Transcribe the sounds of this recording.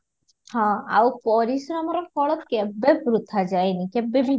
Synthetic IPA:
hãa̰wpɔɾisɾɔmɔɾɔfʰɔɭɔt̪kebːebɾut̪ːad͡ʒajnikebːebʱi

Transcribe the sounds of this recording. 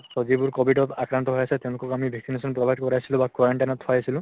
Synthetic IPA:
sɔd͡ʒibuɾkɔbʱiʈɔt̪akɾant̪ɔɦojaset̪ẽw̃lokɔkamibʱeksinesɔnpɾɔbʱaɦid̪kɔɾajsilũbakwaɾeɳʈajnɔt̪ʰɔajasilũ

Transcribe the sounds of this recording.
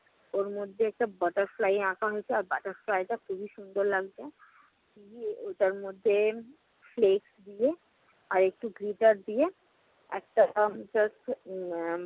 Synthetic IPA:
oɾmod̪ʱːeɛːk̚ʈabəʈəɾflaːjãːkʰaɦoet͡ʃʰeɔːɾbaʈəɾflaːit̪akʰubʱiʃʊ̃nd̪ʱəɾlɐɡd͡ʒae | kiot̪əɾmod̪ʱːe | fleːksd̪ie | ɔːɾek̚ʈuɡɾiʈəɾd̪ie | ɛ̰ːk̚ʈad͡ʒɐsʈ

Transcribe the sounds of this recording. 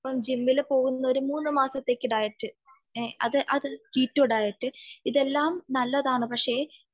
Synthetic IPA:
ɐpːɐmd͡ʑimːilpo̞ːɣunːɐo̞ɾumuːnːɨmaːsɐt̪ːe̞ːkːiɽaːjiʈːɨ | ɐ̰ðɨʔɐðɨkiːtːoːɽaːjiʈːɨiðe̞lːaːmnɐlːɐðaːɳɨpɐkʂe̞ː

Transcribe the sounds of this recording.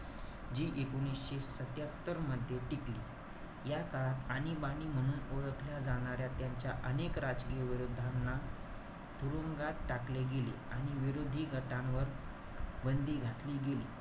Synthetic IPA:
d͡ʑiːʔekuñisɕesət̪jat̪ːəɾməd̪ʱːjeʈikliː | jakaɭat̪aɽ̃ibaɽ̃iːm̤əɽ̃uːnoɭəkʰljad͡zaɽ̃aɾjat̪jaɲt͡ɕjaʔənekɾad͡zkiʋiɾud̪ʱːanːa | t̪ʰuɾoŋɡat̪ʈakleɡelḭaɽ̃iʋiɾod̪ʱiːɡʱəʈãʋəɾ | bənd̪ʱiːɡʱat̪liːɡelḭː

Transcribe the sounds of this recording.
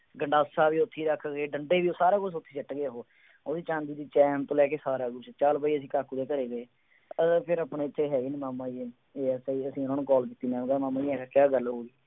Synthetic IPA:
ɡəɳɖaːsaːbiːʊt̪ʰːiːɾəkʰːɡeːɖəɳɖeːʋiːoːsaːɾaːɡʊt͡ʃʊt̪ʰːiːt͡ʃɪʈɡeɦoː | oːd̪iːt͡ʃãːnd̪iːd̪iːt͡ʃɛːmt̪õːlɛːkeːsaːɾaːɡʊt͡ʃt͡ʃaːlbaːiːəsĩːkaːkuːd̪eːkəɾeːɡeː | pʰɪɾapɳeːɪt̪ʰːeːɦɛːɡiːnemaːmãːie | eːɛsːiəsĩːʊnãːnũːkɔːlkiːt̪iːnɛ̃ːɡaːmaːmãːiːɛːkakjaːɡəlɦoːɡiː

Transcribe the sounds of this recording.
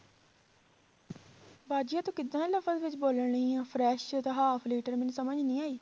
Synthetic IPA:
baːd͡ʒijãːt̪õːkɪd̪ãːləfəzʋɪt͡ʃboːləɳɳəĩːãːpʰɾɛːʃt̪aɦaːpʰliːʈəɾmɪnusəməd͡ʒnĩːaːiː

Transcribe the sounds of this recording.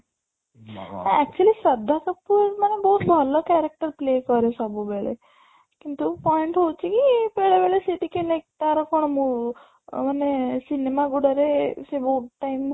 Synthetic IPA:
aɛk̚t͡ʃuəlisɐd̪ʱːakɐpːuɾmənebɔːut̪̚bʱəlokɛɾek̚ʈəɾpleːkɔɾesɔbʱubeːɭḛ | kint̪upɔiɳʈɦot͡ʃʰikibeːɭebeɭeseʈikenek̚t̪aɾɔkoɳ̃mu | manesinemaɡuɽəɾeseboːʈaɪm

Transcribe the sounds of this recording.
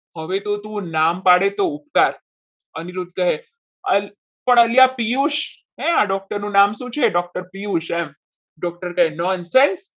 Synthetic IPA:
həʋet̪ot̪ũnampaɽet̪oupt̪aɾ | əniɾud̪̚ʱkəɦe | əl | pəɳ̃əljapijuʃ | ɦɛ̃aɖɔk̚ʈəɾnũnamʃũt͡ʃʰeɖɔk̚ʈəɾpijuʃɛm | ɖɔk̚ʈəɾkaɦenɔnsens

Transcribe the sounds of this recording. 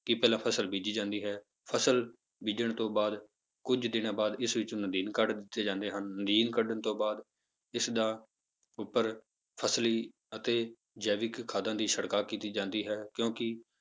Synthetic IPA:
kɪpɛːlãːpʰəsəlbiːd͡ʒiːd͡ʒãːnd̪iːɦɛː | pʰəsəl | biːd͡ʒəɳt̪õːbaːd̪ | kʊd͡ʒd̪ɪnãːbaːd̪ɪsʋɪt͡ʃːnəd̪iːnkəɖd̪ɪt̪ːeːd͡ʒãːnd̪eːɦənːəd̪iːnkəɖəɳt̪õːbaːd̪ | ɪsd̪aː | ʊpːəɾ | pʰəsliː | ət̪eː | d͡ʒɛːʋɪkkʰːaːd̪ãːd̪iːʃəɽkaːkiːt̪iːd͡ʒãːnd̪iːɦɛːkjõːkɪ

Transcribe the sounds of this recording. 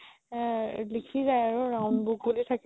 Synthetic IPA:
likʰizajaɹʊɹawnbʊk̚bolitʰakɛ

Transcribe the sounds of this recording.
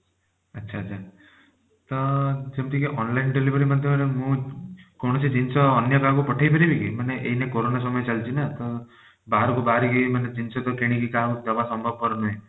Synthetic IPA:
ətːʃʰaːt͡ʃʰa | t̪ɔd͡ʒemt̪ikeʔɔnlainɖelibəɾimad̪ʱjemanemũkoɽ̃ɔsid͡ʒinsɔːnjəkakupɔʈʰajpəɾibʱikimaneʔeinekoɾonas̬ɔməjet͡ʃalt͡ʃʰinat̪ɔ | baɾɔkubaɾiɡiimaned͡ʒinsɔt̪ɔkeɽ̃ĩkikad̪ɔbasɔmbʱɔb̚pɔɾnɔɦĩ

